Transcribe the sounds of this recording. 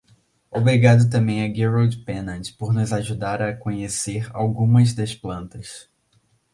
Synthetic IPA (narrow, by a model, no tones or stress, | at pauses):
obɾiɡad̪ʊt̪ɐ̃mbẽj̃ɐɡiɾowd͡ʒpẽnɐ̃tpoɾnʊzaʒud̪aɾɐkõɲeseɾa̰wɡũmɐzd̪ɐsplɐ̃nt̪ɐs